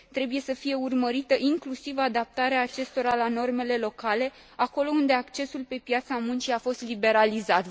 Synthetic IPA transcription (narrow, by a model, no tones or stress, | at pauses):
t̪ɾe̞buje̞səfije̞urməɾit̪əʔiŋklusivad̪ap̚t̪aɾeaːt͡ʃe̞st̪o̞ɾalano̞rme̞le̞lo̞kale̞ | ako̞lo̞und̪e̞akt͡ʃe̞sulpe̞pjat̪samunt͡ʃiafo̞st̪libe̞ɾalizat̪